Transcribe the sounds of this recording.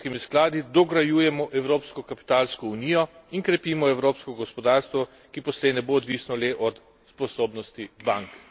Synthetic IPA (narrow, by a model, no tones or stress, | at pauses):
kimisklaːd̪id̪ɔɡɾajujɛmɔʔɛwɾoːpskɔkapi̥t̪aːlskɔuniːjɔinkɾɛpiːmɔɛwɾoːpskɔɡɔspɔd̪aːɾst̪ʋɔ | kipɔslɛjnɛboːd̪ʋiːsnɔlɛʔɔt̪ | spɔsoːbnɔst̪ibaŋk